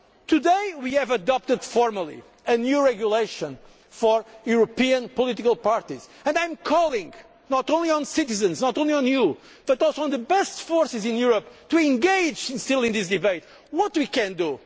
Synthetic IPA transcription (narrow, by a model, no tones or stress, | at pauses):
t̪ud̪eɪwiɨvəd̪ɔp̚t̪ɨd̪̥fɔɹməlˠḭ | ɨnjuɹɛɡjuleɪʃə̃n | fɔɹjuɾopiɨ̃npɔlˠit̪ikəlˠpaɾt̪iz̥ɨ̃nd̪ãj̃mkʰɔlˠĩŋ | nɔtõnliɔ̃nsɪtɨzɨ̃nznɔtõliɔ̃nju | b̥ʌt̪ɔlˠsoə̃nðɨbɛstfɔɹsɨzɪ̃njuɾəp̚t̪uɛ̃ŋɡeɪd͡ʒɪ̃nstilˠɪ̃nðis̬d̪ɨbeɪt̪ | wɔt̪wikɨ̃nd̪u